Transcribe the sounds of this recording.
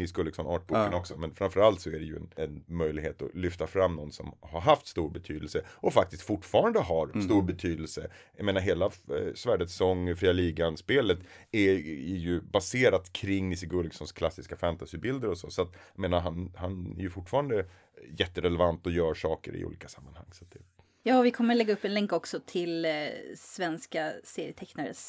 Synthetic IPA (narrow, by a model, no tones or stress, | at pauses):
ɪskɵlːɪksɔnɑ̰ːʈ̚bukkənɔksɔmɛnfɾamfœɾalt̪sɔæɖɛjɵ̰ɛ̰nɛnmœjlɪɡheːt̪ɔ̰lʏft̪afɾamːnɔnːsɔ̰mhaɾɦaft̪st̪uːɾbɛt̪ʰyːd̪əlsəʔɔfak̚t̪ɪst̪fʊʈːfɑːɾand̪əɦaɾst̪uːɾbɛt̪ʰyːd̪əlsəjajmeːnaɾɦeːlasvæːɖət̪sɔŋːfɾiːaliːɡanspeːlət̪æɛjɵbaseːɾat̪kʰɾɪŋːnɪsɪɡɵɾɡsɔnskʰlasːɪskafænt̪asɪbɪld̪əɾɔsɔ̰sɔat̪jameːnaɾɦanhanɛ̰ɾjɵfʊʈːfɑːɾand̪ə | jɛt̪ːəɾɛlɛvant̪ɔjœːɾʂɑːkə̰ɾɪ̰ṵːliːkḁsamːanha̰ŋːsat̪̚d̪ɛ | jɑːvɪkʰɔmːəɭɛɡaɵpːɛnlɛŋkɔksɔt̪ʰɪl | svɛnskaseːɾɪ̰ət̪ʰɛknaɾə̰s